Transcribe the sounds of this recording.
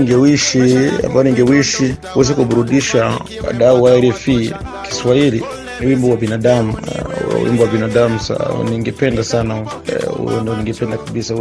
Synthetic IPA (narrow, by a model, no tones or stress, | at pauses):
ŋɡɛwiʃia̰mbajɔniŋɡɛwiʃikuwɛzɛkuɓuɾuɗiʃa | wa̰ɗauaɛɾɛfi | ki̥swahilḭ | niwimbɔwabinaɗamṵwḭmbɔwabinaɗamusa̰niŋɡɛpɛndasana | ṵjɔ̰ndiɔniŋɡɛpɛndakaɓisa